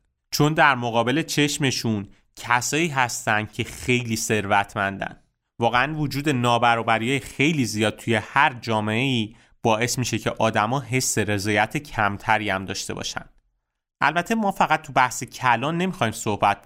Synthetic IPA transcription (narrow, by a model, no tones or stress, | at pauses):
t͡ʃʰo̞nd̪æɾmoɣɒːbe̞le̞t͡ʃʰe̞ʃme̞ʃun | cʰæsɒːiːɦæst̪ænd̪̥̚cʰe̞xe̞jliːse̞ɾvæt̪ʰmænd̪æ̰n | vɒːɣeænvod͡ʒuːd̪e̞nɒːbæɾɒːbæɾijɒːjexe̞jliːzijɒːd̪̚t̪ʰuje̞hæɾd͡ʒɒːme̞eiː | b̥ɒːe̞smiːʃe̞cʰeʔɒːd̪æmɒːɦe̞sːe̞ɾe̞zɒːjæt̪ʰe̞cʰæmt̪ʰæɾiːæmd̪ɒ̰ːʃt̪e̞̰bɒ̰ːʃæ̰nd̪̥ | ʔæ̰lbæt̪ʰe̞mɒːfæɣæt̪̚t̪ːʰubæhsecʰælɒːnːe̞mixɒːiːmso̞hbæt̪̚